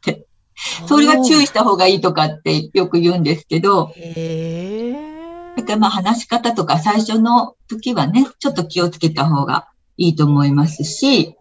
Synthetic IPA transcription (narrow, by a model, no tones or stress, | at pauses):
t̪ʰe | so̞ɾe̞ɡat͡ɕɨːiɕi̥t̪aɦo̞ːɡaiːt̪o̞kat̪ːe̞jo̞kɯ̟jɯ̟ːnd̪e̞sɨ̥ke̞d̪o̞ | jakːaɾʲimaːɦanaɕi̥kat̪at̪o̞kasaiɕo̞no̞t̪o̞kʲiβane̞t͡ɕo̞t̪ːo̞kʲio̞t͡sɨ̥ke̞t̪aɦo̞ːɡa̰ | iːt̪o̞ːmo̞imasɨɕi